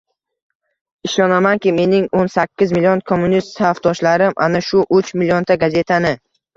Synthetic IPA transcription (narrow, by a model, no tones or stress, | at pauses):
ɪʃɒnamankʲɪme̞nɪŋonsakʲːɪzmɪlijonkʰomːunist̪safd̪̥ɒʃlaɾɪmʔa̰naʃʊʔʊt͡ʃmɪlijont̪ʰaɡaze̞t̪ʰanɪ